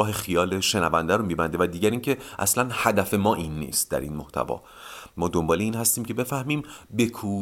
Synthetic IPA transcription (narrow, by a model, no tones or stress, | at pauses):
ɒːɦexijɒːleʃe̞nævænd̪æɾomiːbænd̪evæd̪iːɟæɾiːcʰe̞ʔæ̰slænhæd̪æfe̞mɒːʔinːḭːst̪̚d̪æ̰ɾḭːnmoht̪ʰæ̰vɒ̰ː | mɒːd̪ombɒːleiːnhæst̪iːmcʰe̞be̞fæhmiːmbekʰuː